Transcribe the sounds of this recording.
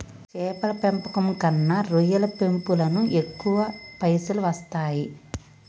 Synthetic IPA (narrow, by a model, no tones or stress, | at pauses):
t͡ʃɛːpɐlɐpempɐkɐmkɐnːɐɾujɐlɐpempulɐnuekːuʋɐpɐjsuluʋɐst̪aːji